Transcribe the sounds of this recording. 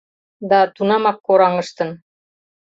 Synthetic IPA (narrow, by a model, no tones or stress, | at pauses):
d̪ɑt̪unɑmɑkːoɾɑŋɤ̆ʃt̪ɤ̆n